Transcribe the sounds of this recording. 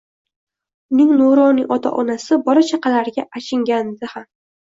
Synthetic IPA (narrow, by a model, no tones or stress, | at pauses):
ʊnɪŋnoɾɒnɪʔɒt̪ʰa̰ʔɒnasɪbɒɾat͡ʃʰaqʰɑlaɾɡʲaʔaʃɪŋɡʲanɪd̪ɪham